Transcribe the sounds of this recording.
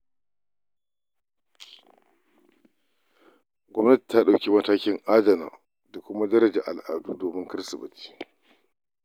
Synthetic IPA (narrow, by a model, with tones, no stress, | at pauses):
ɡʷɔ˦mnɐ˦ti̥˨tːaː˦ɗa˨wkʲi˦mɐ˨taː˦kʲɪ˦ŋʔaː˦dɐ˨na̰ː˨ | da˨kʷʊ˦ma˦dɐ˦ɾɐ˨d͡ʒɛ˨ʔa˨lʔaː˨duː˦doː˨mɪ˦ŋkɐ˦sɐ˨bɪ˨t͡ʃi̥ː˦